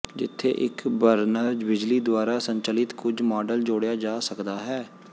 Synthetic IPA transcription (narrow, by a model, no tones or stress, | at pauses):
d͡ʒɪt̪ʰːḛːʔɪkbəɾnəɾd͡ʒbɪd͡ʒliːd̪ʊwaːɾaːsəɲt͡ʃəlɪt̪kʊd͡ʒmɔːɖəld͡ʒoːɽjaːd͡ʒaːsəkd̪aːɦɛː